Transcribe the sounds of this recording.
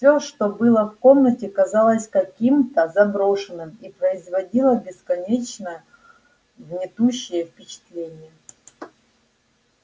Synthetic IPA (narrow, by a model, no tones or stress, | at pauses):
fsʲoʂt̪o̞bɨlˠəfko̞mnətʲɪkɐzɑlˠəsʲkɐkʲimt̪əzɐbɾo̞ʂɨnːɨmipɾəɪzvɐdʲilˠəbʲɪskɐnʲet͡ɕnə | vnʲɪt̪uɕːɪjəfpʲɪt͡ɕɪ̥t̪lʲenʲɪjə